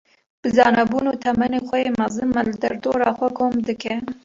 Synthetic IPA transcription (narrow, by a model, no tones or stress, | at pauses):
b̥əzɑːnabunoːt̪ʰɐmɐnexʷɐjeːmazɨnmalɨd̪ɐɾd̪oːɾɑxʷakʰoːmd̪ɨke